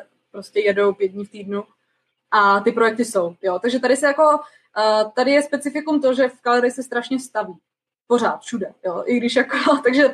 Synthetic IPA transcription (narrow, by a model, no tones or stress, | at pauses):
pɾoscɛjɛdo̞wpjɛt̪̚ɲift̪iːdnu | ʔat̪ɪpɾojɛk̚t̪ɪso̞wjot̪aɡʒɛt̪aɾɪsɛjako̞ | t̪adɪjɛspɛt͡sɪfɪkumt̪̬o̞ʒɛfkalaɾɪsɛst̪ɾaʃɲɛst̪aviː | po̞ɾ̝aːt̪fʃudɛjoʔɪɡdɪʃjakot̪aɡʒɛ